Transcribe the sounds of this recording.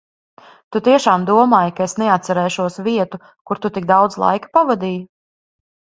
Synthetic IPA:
t̪ut̪iɛʃaːmd̪uɔmaːjkaesnɛat̪̚saɾɛːʃuɔsviɛt̪u | kuɾt̪ut̪ik̚d̪awd̪zlˠa̰jkḁpavad̪iːju

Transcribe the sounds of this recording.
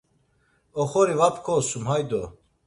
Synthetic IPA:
ɔχɔɾivapʰkʰɔsumhajd̪ɔ

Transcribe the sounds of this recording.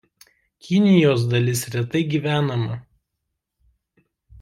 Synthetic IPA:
kʲɪnʲɪjoːs̬d̪ɐlʲɪsɾʲɛt̪ɐɪɡʲiʋʲæːnɐmɐ

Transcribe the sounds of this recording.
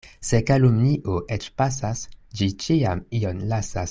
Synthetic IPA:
se̞kalumniʔoʔet͡ʃpasasd͡ʒit͡ʃiamionlasas

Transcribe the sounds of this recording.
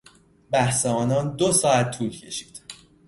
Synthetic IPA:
bæhsɛɒːnɒːnd̪osɒːæt̪ʰːuːlcʰe̞ʃi̥ːd̪̥

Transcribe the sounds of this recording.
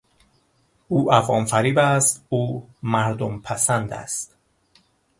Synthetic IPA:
uːʔæfɒːmfæɾiːbæst̪uːmæɾd̪ompʰæsænd̪æ̰st̪

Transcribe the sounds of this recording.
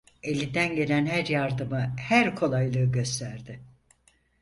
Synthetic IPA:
e̞lʲind̪ænɟe̞lʲænɦæɾjaɾd̪ɯmɯhæɾkʰo̞lˠajlˠɯːɟø̞st̪ʰæɾd̪ɪ

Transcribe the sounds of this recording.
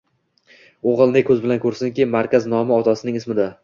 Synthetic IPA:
oʁɨlˠnɪkʰɵzbɪlankʰɵɾsɪŋkʲimaɾkʲaznɒmɪɒt̪ʰasɪnɪŋɪsmɪd̪a

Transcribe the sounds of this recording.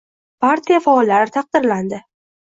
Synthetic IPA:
pʰaɾt̪ʰijafaɒlːaɾɪt̪ʰɑq̚d̪ɪɾland̪ɪ

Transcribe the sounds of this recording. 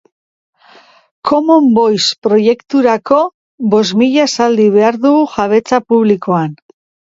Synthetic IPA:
kʰo̞mombo̞jspɾo̞je̞kt̪uɾako̞ | βo̞zmiʎasald̪iβe̞aɾðuɣuʝaβ̞e̞t͡sapuβliko̞an

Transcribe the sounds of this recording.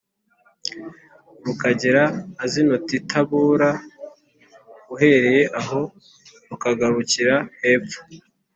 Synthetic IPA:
βukaɟiɾaːzinotitʰaβuːɾa | uɦe̞ɾe̞je̞ʔaɦo̞ | βukaɡaɾuciɾahe̞ːp͡fo̥

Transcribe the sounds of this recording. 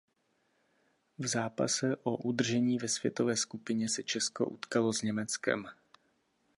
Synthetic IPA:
vzaːpa̰sɛʔo̞ʔud̪r̩ʒɛɲiːvɛsv̥jɛ̰t̪o̞vɛːskupɪɲɛsɛt͡ʃɛsko̞̰ʔṵt̪kalo̞zɲɛmɛt͡skɛ̰m

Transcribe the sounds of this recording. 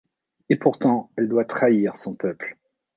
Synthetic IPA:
epuʁt̪ɑ̃ɛld̪wat̪χaiʁsɔ̃pœpl

